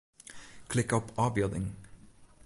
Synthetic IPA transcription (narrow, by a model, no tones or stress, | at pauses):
kʰlɪkɔpʰɑːbjœd̪ɪ̰ŋ